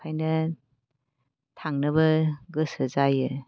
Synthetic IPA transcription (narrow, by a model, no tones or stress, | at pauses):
ajnɐ | tʰaŋnɐbɐɡɯsɯzajɯ